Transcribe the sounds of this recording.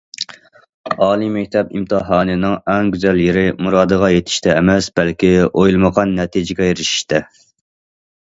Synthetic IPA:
ɑːlˠimɛkʲt̪ʰɛpimt̪ɨɦɑːnɨnɨŋɛŋɡʲyzɛljeɾɪmuɾɑːd̪əʁɑjet̪ʰɪ̥ʃt̪ʰɛːmɛsb̥ɛlkʲiojlˠməʁɑnːɛt̪ʰid͡ʒɪɡʲɛjeɾɪʃi̥ʃt̪ʰɛ

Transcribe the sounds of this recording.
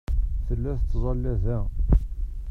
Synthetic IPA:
θəlːæθət͡sːzˤɑlːæðæ

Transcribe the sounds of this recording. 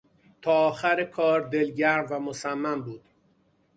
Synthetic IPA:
t̪ʰɒːxæɾekʰɒːɾd̪e̞lɟæɾmvæmosæmːæmbuːd̪̥

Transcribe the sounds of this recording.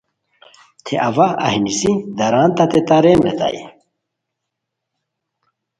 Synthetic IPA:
t̪ʰeʔɐvaɐ̰hinisid̪ɐɾaːnt̪at̪et̪aɾemḛt̪a̰je

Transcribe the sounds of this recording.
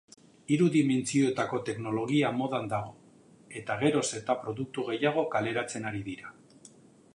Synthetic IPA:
iɾuðime̞nt͡sio̞et̪ako̞t̪e̞kno̞lo̞ɣiamo̞ðand̪aɣ̞o̞ | e̞t̪aɣ̞e̞ɾo̞se̞ɾt̪apɾo̞ðuk̚t̪uɣe̞jaɣ̞o̞kale̞ɾat͡se̞naɾiðiɾa

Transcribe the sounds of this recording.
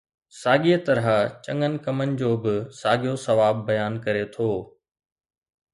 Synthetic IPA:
saːɠiːət̪ɐɾat͡ɕɐ̃ŋənɪ̆kɐmənɪ̆d͡ʑoːbɪsaːɡijosɐʋaːbːɐjaːnkɐɾet̪ʰoː

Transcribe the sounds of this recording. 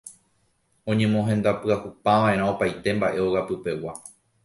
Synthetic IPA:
õ̞ɲẽ̞mõ̞ɦẽ̞nd̪apɨahupãʋãʔẽɾão̞pajt̪e̞mbaʔe̞o̞ɣapɨpe̞wa

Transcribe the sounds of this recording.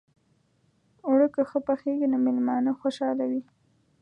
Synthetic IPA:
uɽəkəxəpaxeɡinomɪlmɑnəxwoʃɑlawi

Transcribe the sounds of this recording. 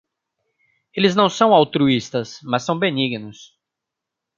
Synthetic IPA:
elɪznɐ̃w̃sɐ̃w̃awt̪ɾuist̪ɐsmɐssːɐ̃w̃beniɡnʊs

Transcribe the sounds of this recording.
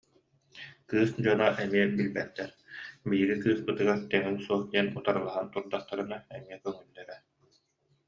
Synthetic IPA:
kɯːsd͡ʑɔnaʔɛmiɛbilbɛt̪ːɛɾ | biːɡikɯːspɯt̪ɯɡaɾt̪ɛŋinsuɔχd̪iɛnut̪aɾɯlˠaɦant̪uɾd̪aχt̪aɾɯnaɛmiɛkœŋylːɛɾɛ

